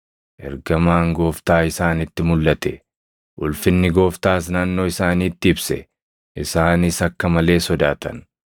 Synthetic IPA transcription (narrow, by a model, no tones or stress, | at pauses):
ʔɛ̰ɾɡɐmaːŋɡo̞ːft̪aːɪsaːnɪt̪ːɪmʊlːɐt̪ɛ | ʔʊlfɪnːɪɡo̞ːft̪aːs̬naːnːoːɪsaːniːt̪ːɪɪbsɛ | ʔɪsaːnɪsɐkːɐmɐle̞ːsɔd̪aːt̪ɐ̰n